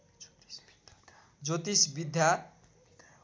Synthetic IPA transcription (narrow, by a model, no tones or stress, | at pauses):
d͡zot̪isbid̪ʱja